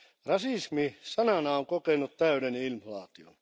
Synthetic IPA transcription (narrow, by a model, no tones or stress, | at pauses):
rɑsismisɑnɑnɑoŋkokenut̪t̪æydenilflɑːt̪io̰n